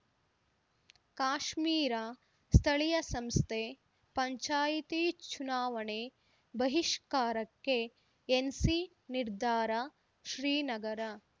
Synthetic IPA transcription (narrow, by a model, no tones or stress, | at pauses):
kaːʃmiːɾa | st̪ʰɐɭijɐsɐmst̪ʰe | pɐɲt͡ʃaːjit̪it͡ʃunaːʋɐɳe | bɐɦiʃkaːɾɐkːe | ensi | niɾd̪ʱaːɾa | ʃɾiːnɐɡɐɾɐ